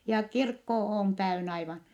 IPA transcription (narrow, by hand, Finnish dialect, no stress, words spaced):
jɑ kirkːo oːn tæyn ɑiʋɑn